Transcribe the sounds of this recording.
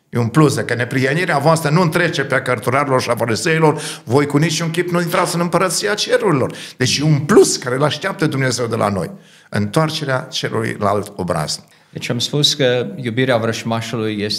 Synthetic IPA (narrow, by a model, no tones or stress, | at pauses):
jeunplus̬d̪akəne̞pɾiɦəniɾeavoast̪ɾənuɨnt̪ɾet͡ʃepeakərt̪uɾaɾelo̞rʃiafaɾizeilo̞rvo̞jkunit͡ʃuŋkʲipnuint̪ɾat̪sɨnɨmpəɾət̪sijat͡ʃe̞ɾuɾilo̞rd̪e̞t͡ʃjeunpluskaɾeɨlaʃt̪eap̚t̪əd̪umne̞ze̞wd̪elʔa̰no̞̰j | ɨ̰nt̪oart͡ʃe̞ɾeat͡ʃe̞ɾṵlṵjlaalt̪o̞̰bɾa̰z̥ | d̪et͡ʃamspuskəjubiɾeavɾəʃmaʃulujːes